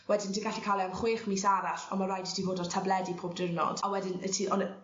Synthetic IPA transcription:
wɛdɪntʰiɡaɬikʰalˠiamχweːχmiːsaɾaɬɔ̰marajdətʰivoːdɔrtʰablˠɛdipʰoːb̚dɪrnɔ̰d̥awɛdɪnətʰiɔ̰n

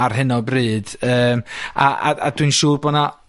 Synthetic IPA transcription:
arɦɪnɔbrɨːd̥əːma̰ʔa̰a̰dwɨnʃuːrbɔna

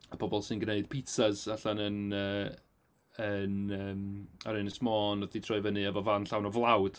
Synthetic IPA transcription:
əbɔbɔlˠsɨnɡneɨd̥pʰitazaɬanənəː | ənəːmaɾenɪsmɔːnɔθitʰrɔɨvənɨɛvɔvanɬawnɔvlˠawd̥

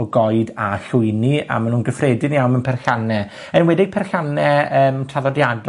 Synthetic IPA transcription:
ɔɡɔɨdaɬʊɨnia̰manuːnɡəfrɛdɪnijawmənpʰɛrɬanɛ | ənwɛdɪɡ̥̚pʰɛrɬanɛəːmtʰaðɔdjad

